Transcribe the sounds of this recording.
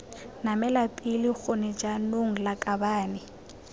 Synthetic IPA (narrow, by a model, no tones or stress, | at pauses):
namɛlapʼilɪk͡xonɛd͡ʒanoŋ̩lakʼabaːnɪ